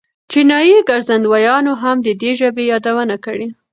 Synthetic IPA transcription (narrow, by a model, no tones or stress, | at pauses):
t͡ʃinɑjiɡaɾzand̪wajɑnoɦamd̪əd̪eʒəbejɑd̪awənakəɽi